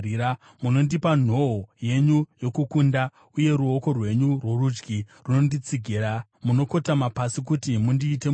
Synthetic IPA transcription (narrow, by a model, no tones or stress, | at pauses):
a | muno̞ndipan̤o̞ɦoje̞ɲujo̞kukunda | uje̞ɾuo̞ko̞rwe̞ɲurwo̞rud͡ʒɡiruno̞ndit͡siɡʱiɾamuno̞ko̞tamapasik̬utimundiːte̞